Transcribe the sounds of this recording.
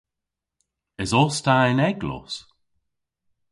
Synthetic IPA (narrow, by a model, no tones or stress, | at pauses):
ɪzɔstanɛɡlɔ̰s